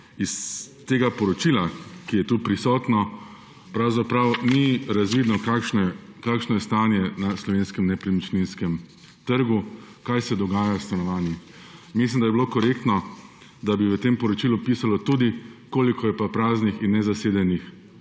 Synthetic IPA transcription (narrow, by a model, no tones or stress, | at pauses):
ist̪eːɡapɔɾɔt͡ʃilakijɛt̪upɾisɔːt̪nɔ | pɾawzapɾawniɾazʋiːd̪nɔkakʃnɛkaːkʃnɔjɛst̪aːnjɛnaslɔʋeːnskɛmnɛpɾimit͡ʃninskɛm | t̪əɾɡukajsɛd̪ɔɡaːjawst̪anɔʋaːnjix | mislimd̪ajbiloːkɔɾekt̪nɔ | d̪abiʋət̪empɔɾɔt͡ʃilupiːsalɔt̪ud̪ikoːlikʰɔjɛpapɾaːznixinːɛzaseːd̪ɛnix